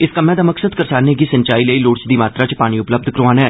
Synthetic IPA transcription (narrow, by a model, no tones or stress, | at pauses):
ɪskəmẽːd̪aːməksəd̪kəɾsaːɾneːɡiːsəɲt͡ʃaːiːləiːloːɽt͡ʃd̪iːmaːt̪ɾaːt͡ʃəpaːɽ̃ĩːʊpləb̚d̪kəɾʋaːnɛː